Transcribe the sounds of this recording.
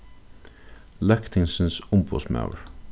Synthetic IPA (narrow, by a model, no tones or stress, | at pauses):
lɛkt̪ʰɪŋsn̩sʊmbo̰smɑ̰ʊɹ